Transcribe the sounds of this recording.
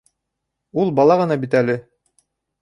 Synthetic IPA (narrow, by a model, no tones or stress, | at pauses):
ulˠbɑlˠɑʁɤ̆nɑbit̪ælɘ